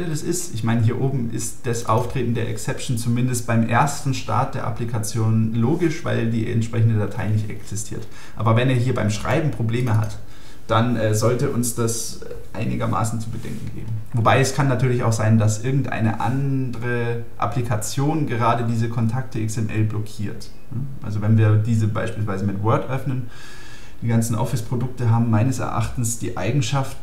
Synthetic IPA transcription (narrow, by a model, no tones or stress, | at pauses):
ɛlədasɪstʔɪçmaɪnəɦiːɐʔoːbm̩ʔɪ̰std̥asʔa̰ʊftʁ̥eːtn̩deːɐʔɛ̰ksɛpʃn̩t͡sumɪndəst̚b̥aɪmʔeːɐstn̩ʃta̰ɐt̚d̥eːɐʔa̰plikʰat͡sjoːnloːɡɪʃv̥a̰ɪldiːɛ̰ntʃpʁ̥ɛç̬n̩dədatʰaɪnɪçtɛ̰ksɪstʰiːɐt | ʔa̰ːbɐvɛneːɐɦiːɐbaɪmʃʁ̥a̰ɪbm̩pʁ̥obleːməɦa̰t | d̥anʔɛːzɔltəʔʊnsd̥as | ʔa̰ɪnɪɡɐmʔa̰ːsn̩t͡subədɛ̰ŋkŋ̩ɡḛːbm̩ | vobaɪɛskʰanːatʰyːɐlɪça̰ʊxz̥aɪndasʔɪɐɡŋ̩tʔa̰ɪnə̰ʔa̰ndəʁə | ʔa̰plikʰat͡sjoːnɡəʁ̞aːdədiːzəkʰɔntʰak̚təʔɪksɛmʔɛ̰lblɔkʰiːɐt | nəʔʔa̰lzovɛnviːɐdiːzəbaɪʃpiːls̬v̥aɪzəmɪtwœɐtʔœfnən | d̥iːɡant͡sn̩ʔɔ̰fɪspʁ̥odʊk̚təɦaːbm̩maɪnəsɛ̰ɐʔa̰χtn̩sd̥iːʔa̰ɪɡŋ̩ʃaft